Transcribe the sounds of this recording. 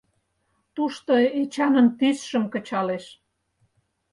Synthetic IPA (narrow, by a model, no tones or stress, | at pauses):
t̪uʃt̪oet͡ɕɑnənt̪ysʃə̆mkə̆t͡ɕɑleʃ